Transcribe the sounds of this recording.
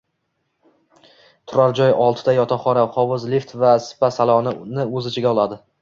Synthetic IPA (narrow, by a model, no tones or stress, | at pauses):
t̪ʰʊɾaɾd͡ʒɒjɒlˠt̪ʰɪd̪ajɒt̪ʰaχɒɾaχɒvɪzlift̪vasɪ̥pasalˠɒnɪnɪɵzɪt͡ʃʰɪɡʲaɒlˠad̪ɪ